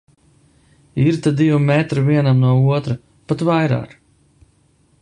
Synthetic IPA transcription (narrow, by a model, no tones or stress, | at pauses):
iɾt̪ad̪ivumɛt̪ɾɨviɛnamnuɔuɔt̪ɾa | pat̪vajɾa̰ːk